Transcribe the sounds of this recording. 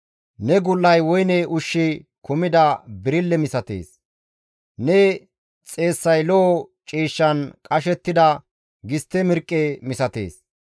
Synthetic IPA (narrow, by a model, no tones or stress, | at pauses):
nɛɡʊlːɐjwɔjnɛʔʊʃːɪkʊmɪd̪ɐbɪɾɪlːɛmɪsɐt̪ḛːs | nɛ | t͡sʼe̞ːsːɐjlɔɔt͡ʃʼiːʃːɐnkʼɐʃɛt̪ːɪd̪ɐ | ɡɪst̪ːɛmɪɾkʼːemɪsɐt̪e̞̰ːs